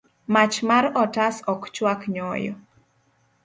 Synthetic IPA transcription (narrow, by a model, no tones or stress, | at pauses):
mat͡ʃmaɾɔtasɔkt͡ʃwakɲɔjɔ̰